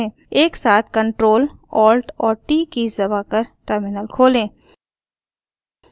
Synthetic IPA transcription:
ẽː | eːksaːt̪ʰkɐ̃ɳʈɾoːlɔːlʈɔːɾʈiːkizɐbakɐɾʈəɾmɪnəlkʰoːlẽː

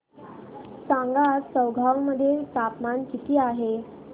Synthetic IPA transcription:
sãŋɡasəwɡʱawməd̪ʱːjet̪apmant͡ɕit̪iːaɦe

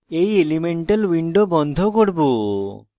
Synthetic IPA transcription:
ejelimeɳʈelwiɳɖobɔnd̪ʱɔkoɽbu

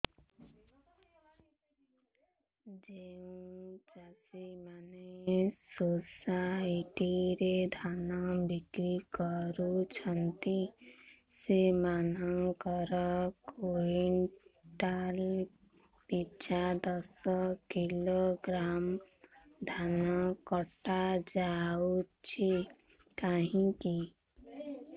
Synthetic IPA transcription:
d͡ʒeũt͡ʃasimanesosaiʈiɾed̪ʱanɔbikɾikɔɾut͡ʃʰɔnt̪i | semanɔŋkɔɾɔkoinʈal | pit͡ʃad̪ɔsɔkiloɡɾam | d̪ʱanɔkɔʈad͡ʒaut͡ʃʰi | kaɦĩki

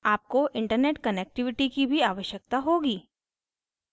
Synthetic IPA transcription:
aːp̚koʔɪ̃ɳʈəɾneːʈkənɛk̚ʈɪʋɪʈikibʱiaːʋəʃjək̚t̪aɦoːɡiː

